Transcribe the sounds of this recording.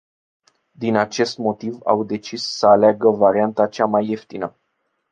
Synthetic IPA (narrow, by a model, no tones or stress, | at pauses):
d̪inat͡ʃe̞st̪mo̞t̪iva̰wd̪e̞t͡ʃisːəaleaɡəvaɾiant̪at͡ʃamaje̞ft̪inə